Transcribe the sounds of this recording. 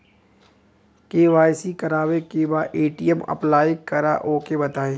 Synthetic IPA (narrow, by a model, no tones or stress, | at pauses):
keːʋaːjsikɐɾaːʋekebaːʔeːʈijəmɐ̰plaːikɐɾa̰ʔoːkebɐt̪aːẽː